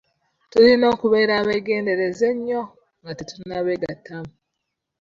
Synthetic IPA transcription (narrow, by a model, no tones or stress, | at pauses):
tulino̞ːkuβe̞ːɾaβeːɡe̞ːnde̞ɾeze̞ɲːo̞ | ŋɡatituinaβeːɡatʰːamu